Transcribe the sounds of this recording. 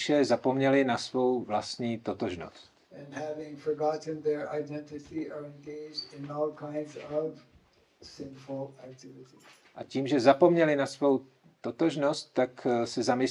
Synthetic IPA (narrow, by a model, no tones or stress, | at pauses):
ʃɛzapo̞mɲɛlɪnasvo̞wvlast̪ɲiːt̪ot̪oʒno̰st̪ɨ̃nhævɪ̃ŋfə˞ɡɑʔn̩ðɛ˞ʔaɪdɛ̃ntɨsiʔə˞ɪ̃nɡeɪd͡ʒdɪ̃nɔlˠkʰãɪ̃ndzʌv̥ | sɪ̃nfl̩ˠæk̚tʰɪvɪɾi̥ | ʔaciːmʒɛzapo̞mɲɛlɪnasvo̞w | t̪ot̪oʒnost̪ːaksɛzamɪs